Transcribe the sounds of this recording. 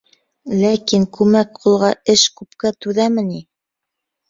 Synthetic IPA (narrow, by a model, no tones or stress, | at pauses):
lækiŋkʉmæk̚qulˠʁɑɘʃkʉpkæt̪ʉðæmɘ̆ni